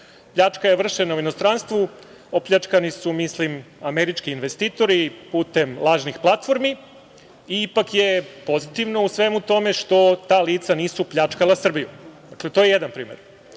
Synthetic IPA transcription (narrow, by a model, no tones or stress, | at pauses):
pʎat͡ʃkajeʋr̩ʃenauinost̪ɾanst̪ʋu | o̞pʎʲat͡ʂkanisumislimameɾit͡ʃkiːnʋest̪iːt̪o̞ɾipuːt̪emlˠaːʒnixplˠat̪fo̞ɾmi | iipakjepo̞zit̪iʋno̞usʋemut̪o̞me̞ʃt̪o̞t̪aːliːt̪saniːsupʎat͡ʂkalˠasr̩bijṵd̪aklet̪ojejed̪anpɾiːmeɾ